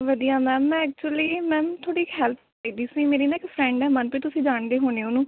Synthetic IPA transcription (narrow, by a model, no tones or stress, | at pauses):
ʋəd̪ijaːmɛ̃ːmɛ̃ːɛːk̚t͡ʃuəliːmɛ̃ːt̪ʰoːɽiːhɛːlpʰ | iːd̪iːsiːmeːɾiːnaːɪkpʰɾɛ̃ːɳɖɛːmənpiːt̪ʊsĩːd͡ʒaːɳd̪eːɦoːneːonũː